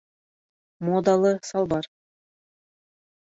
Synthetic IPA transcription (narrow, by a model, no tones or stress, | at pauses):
mod̪ɑlˠɤsɑlˠbɑr